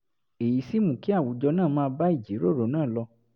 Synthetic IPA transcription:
e˨ji˨˦si˦mũ˨ki˦a˦˨wu˨˦d͡ʒɔ˧nãː˦˨mãː˧˦ba˦i˦˨d͡ʒi˨˦ɾo˦˨ɾo˨˦nãː˦˨lɔ˧

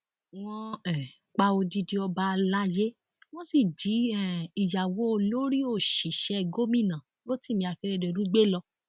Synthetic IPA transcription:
w̃ɔ̃˧ɛ˨ | k͡pa˧o˧di˧di˧ɔ˧ba˧la˦je˦ | w̃ɔ̃˦si˨d͡ʒi˨˦ɛ˦˨i˨ja˨wo˨˦o˧lo˦ɾi˦o˦˨ʃi˨ʃɛ˧˨ɡo˦mĩ˦˨nã˨ | lo˦ti˦˨mĩ˧˦a˧fe˦ɾe˧˨de˨ɾũ˦ɡ͡be˦lɔ˧

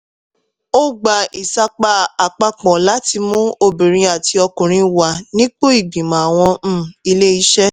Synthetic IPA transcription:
o˦ɡ͡ba˨i˨sa˧k͡pa˧˦a˨k͡pa˧k͡pɔ̃˨la˨˦ti˧mũ˦o˧bi˨ɾ̃ĩ˧˦a˨ti˧ɔ˧kũ˨ɾ̃ĩ˧wa˨nĩ˦k͡po˦i˦˨ɡ͡bĩ˨mã˨a˨w̃ɔ̃˧m̩̃˦˨i˧le˦i˦ʃɛ˦

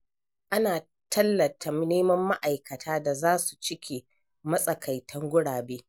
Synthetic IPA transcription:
ʔa˦naː˨ | tʰɐ˦lːɐ˨tʰa˨m˦neː˦mɐ˦mːa˦ʔa˨jkɐ˨tʰaː˦da˨zaː˦su˨t͡ʃɪ˦kʲʰeː˨ | mɐ˦sʼɐ˨kʰa˨jtʰɐ˦ŋɡʷʊ˦ɽaː˨beː˦

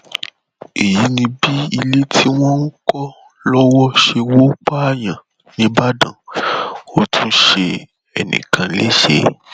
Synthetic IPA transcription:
e˨ji˨˦nĩ˧bi˦i˧le˦tʰi˦w̃ɔ̃˦n̩˦kɔ˦ | lɔ˦wɔ˦ʃe˧wo˦k͡pa˦a˦˨jã˨ | nĩ˦ba˦dã̰˨ | o˦tʰũ˧˦ʃe˧ | ɛ˨nḭ̃˨kʰã˨˦le˦ʃḛ˧

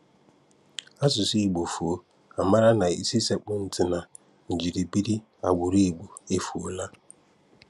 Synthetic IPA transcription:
a˦sʊ˨si˦˨ɡ͡bo˨fu˨˦ | a˨ma˦ɾa˦na˨ḭ˦˨si˦se˨k͡pʊ˦n̩˨tɪ˨na˨ | n̩˨d͡ʒi˨ɾi˨bi˦ɾi˦ | a̰˨ɡʷu˨ɾi˦e˨ɡ͡bu˨e˦fu˨o˨la˦

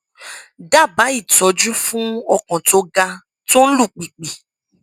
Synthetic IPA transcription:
da˦˨ba˨˦i˦˨tɔ˨˦d͡ʒu˦fũ˦ɔ˧kɔ̃˨to˧˦ɡa˧ | to˦n̩˦lu˦˨k͡pi˨k͡pi˨

